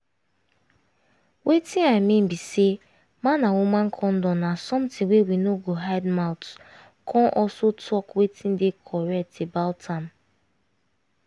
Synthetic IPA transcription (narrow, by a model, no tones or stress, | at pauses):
wʔetĩnaɪmĩn̩bise | mãnawumãn̩kʰɔ̃n̩dɔ̃nnasɔ̃mtɪ̃ŋwewinoɡoɦaɪdmaʊt | kʰɔ̃nʔɔsotʰɔkwetĩn̩dekʰɔɹɛk̚tebaʊtʰam